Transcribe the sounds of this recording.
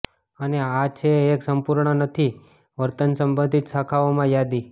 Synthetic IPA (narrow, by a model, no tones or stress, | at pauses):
əneat͡ʃʰeːksəmpuɾɳənət̪ʰi | ʋəɾt̪ənsəmbə̃nd̪ʱit̪sakʰaomãjad̪i